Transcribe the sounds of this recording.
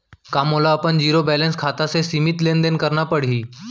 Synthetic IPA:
kamolaəpəɳd͡ʑiɾobɛlẽnskʰat̪asesimit̪lend̪enkəɾnapəɽ̤iː

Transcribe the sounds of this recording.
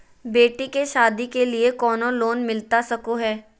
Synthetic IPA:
beːʈikeʃaːd̪ikeliekɔːnõloːnmɪlt̪asɐkoɦɛː

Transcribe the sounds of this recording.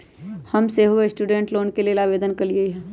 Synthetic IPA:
hɐmseɦuesʈuːɖẽːɳʈloːnkelielaːʋeːd̪ənkɐɾiɡɐiɦɛː

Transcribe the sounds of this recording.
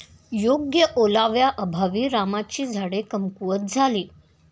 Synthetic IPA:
joɡjəʔolaʋjaʔəbʱaʋiːɾamat͡ɕiːd͡zʱaɽekəmkuʋət̪̚d͡zʱaliː

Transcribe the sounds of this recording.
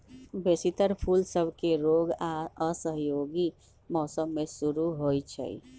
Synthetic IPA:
besit̪əɾpʰulsəbʱkeɾoɡaəsəɦjoɡi | mɔːsəmːesuɾuɦojt͡ʃʰɛ̰

